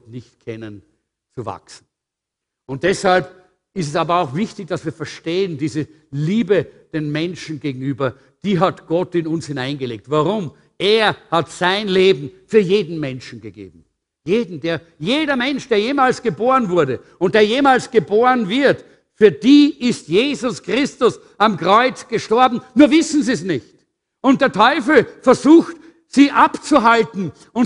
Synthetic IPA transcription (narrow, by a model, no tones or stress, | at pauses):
nɪçtkʰɛnən | t͡suva̰ksn̩ | ʊnt̚d̥ɛshalp | ɪstɛsaːbɐaʊxv̥ɪçtɪçd̥asviːɐfɛɐʃteːəndiːzə | liːbəd̥eːnmɛnʃn̩ɡeːɡŋ̩yːbɐ | d̥iːɦatɡ̥ɔtɪnʊnshɪnaɪnɡəleːk̚tvaʁʊm | ʔeːɐhatsaɪnleːbm̩fyːɐjeːdn̩mɛnʃn̩ɡəɡḛːbm̩ | jeːdn̩deːɐ | jeːdɐmɛnʃd̥eːɐjeːmaːlsɡ̥əboːʁənvʊɐɾə | ʊnt̚d̥eːɐjeːmaːlsɡ̥əboːʁənvɪɐt | fyːɐd̥iːɪstjeːzʊskʁ̥ɪstʊs | amkʁ̥ɔʏt͡sɡ̥əʃtɔɐbm̩nuːɐvɪsn̩ziːs̬nɪçt | ʔʊnt̚d̥eːɐtʰɔʏfl̩fɛɐzuːxt | siːʔapt͡suɦaltn̩ | ʊn